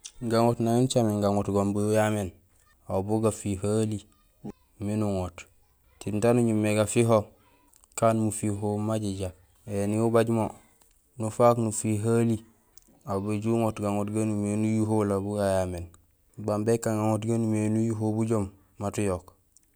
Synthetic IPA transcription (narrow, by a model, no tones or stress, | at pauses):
ŋɡaŋotnaŋint͡ʃamiŋɡaŋotɡombuujamen | abuɡafihali | minuŋot | tintanuɲumːeɡafiɦo | kaːnmufiɦomaɟiɟa | eniubaɟmo | nufaknufiɦali | abeɟuŋotɡaŋotɡanumenujuɦolabuɡajamen | bambekːaŋɡaŋotɡanumenujuɦobuɟomː | atujok